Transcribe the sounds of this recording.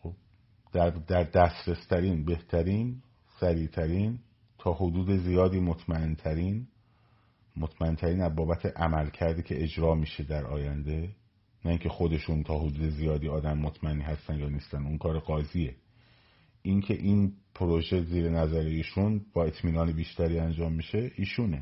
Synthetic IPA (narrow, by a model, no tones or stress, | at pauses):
xob̥ | d̪̥æɾd̪æɾd̪æst̪ɾe̞st̪ʰæɾiːnbe̞ht̪ʰæɾiːn | sæɾiːt̪ʰæɾiːn | t̪ʰɒːhod̪uːd̪e̞zijɒːd̪iːmot̪ʰmæent̪ʰæɾiːn | mot̪ʰmæe̞nt̪ʰæɾiːnæzbɒːbæt̪ʰe̞ʔæmælcʰæɾd̪iːcʰe̞ed͡ʒɾɒːmiːʃe̞d̪æɾʔɒ̰ːjænd̪e̞ | næiːŋcʰe̞xo̞d̪e̞ʃuːnt̪ʰɒːɦod̪uːd̪e̞zijɒːd̪iːɒːd̪æmːot̪ʰmæenːiːɦæst̪ænjɒːniːst̪ænuŋkʰɒːɾeɡɒːziːe̞ | ʔiŋcʰe̞ʔiːnpʰoɾo̞ʒe̞ziːɾenæzæɾeiːʃunbɒːe̞t̪ʰmiːnɒːnebiːʃt̪æɾiːænd͡ʒɒːmːiʃe̞ʔiːʃuːne